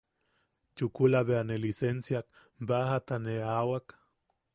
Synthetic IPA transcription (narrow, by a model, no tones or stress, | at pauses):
t͡ʃukulaβeanelisensjak̚ | bahat̪aneawak